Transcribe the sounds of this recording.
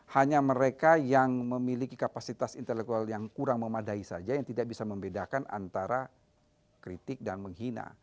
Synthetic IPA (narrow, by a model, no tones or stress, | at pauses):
haɲaməɾekajaŋməmilikikapasit̪asint̪elɛk̚t̪ualjaŋkuɾaŋməmadaisad͡ʒajaŋt̪idak̚bisaməmbedakana̰nt̪aɾa | kɾit̪ɪk̚danməŋɦina̰